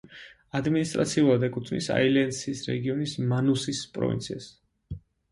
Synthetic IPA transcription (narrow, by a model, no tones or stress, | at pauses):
ad̪minist̪ʼɾa̰t̪sʰiulˠad̪ɛkʼut̪ʰnḭsa̰ilɛnsisɾɛ̰ɡiɔnismanusispʼɾɔ̰vint̪sʰia̰s